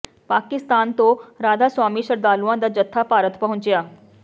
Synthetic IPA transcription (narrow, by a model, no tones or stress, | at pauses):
paːkɪst̪aːnt̪õɾaːd̪aːswaːmiːʃəɾd̪aːluãd̪ad͡ʒət̪ʰːapaːɾət̪pɐɦʊ̃ɲt͡ʃjaː